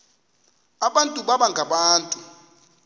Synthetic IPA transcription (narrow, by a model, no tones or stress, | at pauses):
aɓantʼuɓaɓaŋɡʱaɓaːntʼu